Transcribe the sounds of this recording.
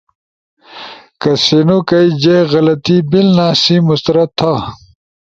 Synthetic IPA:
kɐsinukɐid͡ʑeɣɐlɐt̪ibilnaːsimust̪ɐɾɐt̪ʰːa

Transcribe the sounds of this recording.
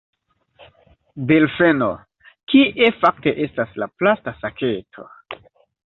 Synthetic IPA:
delfeno | kiʔefak̚te̞ʔe̞staslaplastasakʰe̞tʰo̞̰

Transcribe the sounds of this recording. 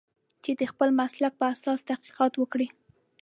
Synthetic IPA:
t͡ʃed̪əxpəlmaslak̚pəasɑst̪ahqi̥qɑt̪wəkɽi

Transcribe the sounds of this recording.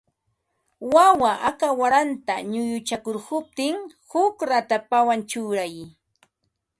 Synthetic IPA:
wawaʔakawaɾant̪aɲʊjʊt͡ʃakʊɾhʊp̚t̪ɪŋ | hʊkɾat̪apawant͡ʃʊːɾaj

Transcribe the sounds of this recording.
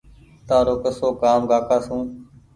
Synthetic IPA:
t̪aːɾoːkəsoːkaːmɡaːkaːsũː

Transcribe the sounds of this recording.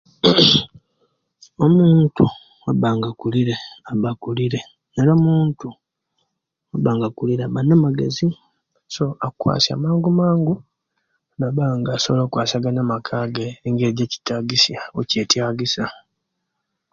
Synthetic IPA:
o̞muːntu | waβaːŋɡakuliɾe̞aβakuliɾe̞ | neɾamuːntu | waβaːŋɡakuliɾeaβanːamaɡe̞̰zi | so̞akwa̰ːsja̰maːŋɡumaːŋɡu | naβaŋɡaːsoβolokwaːsaɡanamakʰaːɡeeŋɡeɟeci̥taɡisjaocetjaːɡisa

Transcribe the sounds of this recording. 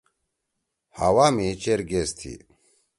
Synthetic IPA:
ha̰waːmit͡ɕeɾɡest̪ʰḭ

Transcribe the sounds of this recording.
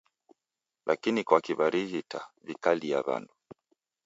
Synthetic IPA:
lʔakinikwakiβaɾihitavikaliaβa̰ndu

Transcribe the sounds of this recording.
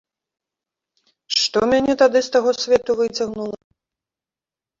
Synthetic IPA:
ʂʂt̪ɔmʲanʲɛt̪ad̪ɨst̪aɣɔsʲvʲɛt̪uvɨt͡sʲaɣnulˠɐ

